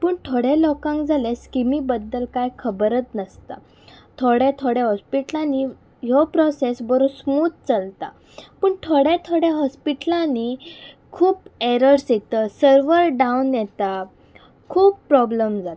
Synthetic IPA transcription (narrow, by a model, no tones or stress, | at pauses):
pəːɳt̪ʰoɽelɔkãŋkd͡zaleskimiːbəd̪ːəlkajkʰəbəɾət̪nəst̪a̰ | t̪ʰoɽɛt̪ʰoɽẽɦɔspiʈlãni | ɦopɾɔsesbəɾosmuːt̪̚t͡səlt̪a̰ | pəːɳt̪ʰoɽɛt̪ʰoɽeɦɔspiʈlani | kʰuːpeɾəɾsjet̪əsəɾʋəɾɖaunjɛt̪a | kʰuːpːɾɔbləmd͡zat̪